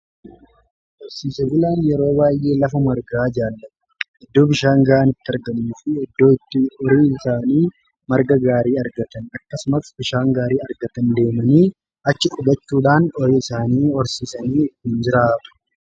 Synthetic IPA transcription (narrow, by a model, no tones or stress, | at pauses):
ʔɔɾsiːsɐɡɪlaːnjɛɾo̞ːwaːjʔe̞ːlɐfɐmɐɾɡaːd͡ʒaːlːɐt̪ | ʔɪd̪ːo̞ːbɪʃaːŋɡɐʔaːnɪt̪ːɪɐɾɡɐmuːfɪɪd̪ːo̞ːɪt̪ːɪɔɾiːɪsaːniː | mɐɾɡɐɡaːɾiːɐɾɡɐt̪ɐnɐkːɐsʊmɐsbɪʃaːŋɡaːɾiːɐɾɡɐt̪ɐnd̪e̞ːmɐniː | ʔɐt͡ʃːɪʔʊɡɐt͡ʃːuːᶑaːnɔɾiːɪsaːniːɔɾsiːsɐniːɪt̪ːiːnd͡ʒɪɾaːt̪ʊ̥